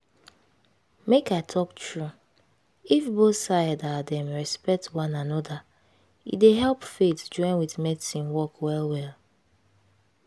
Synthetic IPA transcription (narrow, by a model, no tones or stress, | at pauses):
mekaɪtʰɔktɹu | ifbosajdadɛ̃mɹɛspɛk̚twãnanɔda | ḭdeɦɛlˠpfetd͡ʒɔ̃ɪ̃nwiðmɛdisĩnwɔkwɛlwɛl